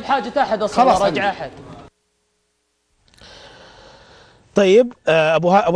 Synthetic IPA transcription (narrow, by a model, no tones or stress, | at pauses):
bħaːd͡ʒːat̪aħad̪ɑsˤɑlɑːsɾˤɑd͡ʒʕaħad̪ | t̪ˤɑjːɪbabaʔa